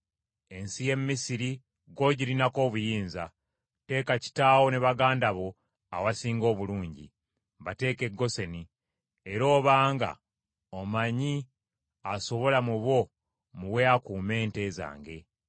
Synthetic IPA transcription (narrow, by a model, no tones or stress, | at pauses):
e̞nsije̞mːisiɾi | ɡo̞ɟilinako̞ːβujiːnza | te̞ːkaci̥taːwo̞ne̞βaɡaːndaβo̞ | awasiːŋɡo̞ːβuluːɲɟḭ | βate̞ːke̞ɡːo̞se̞ni | e̞ɾo̞ːβaːŋɡa̰ | omaɲi | aso̞βo̞lamuβo̞ | muwe̞akuːme̞ːnte̞ːza̰ːŋɡe̞